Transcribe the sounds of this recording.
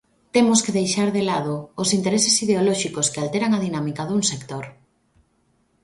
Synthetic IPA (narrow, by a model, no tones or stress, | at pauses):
t̪emoskeðejʃaɾðelað̞oːsint̪eɾesesiðeolɔʃikoskealt̪eɾaŋaðinamikaðuŋsekt̪oɾ